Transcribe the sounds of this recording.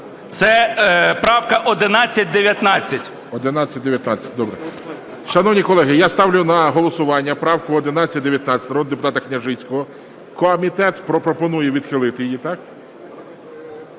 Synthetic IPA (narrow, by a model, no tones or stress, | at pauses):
t̪sɛpɾɑwkɐʔɔd̪ɪnɑt͡sʲːɐt̚ʲd̪eʋʲjɐt̪nɑt͡sʲːɐtʲ | ɔd̪ɪnɑt͡sʲːɐt̚ʲd̪eʋʲjɐt̪nɑt͡sʲːɐ̥t̚ʲd̪ɔbɾɛ | ʃɐnɔwnʲikɔlˠɛɦɪjast̪ɑwlʲjʊnɐɦɔlˠɔsʊʋɑnʲːɐpɾɑwkʊɔd̪ɪnɑt͡sʲːɐt̚ʲd̪eʋʲjɐt̪nɑt͡sʲːɐt̪ɐɾɔd̪d̪epʊt̪ɑt̪ɐknʲɐʒɪt͡sʲkɔɦɔ | kɔmʲit̪ɛt̪pɾɔpɾɔpɔnujɛʋʲid̪xɪlˠɪt̪ɪjjit̪ɑk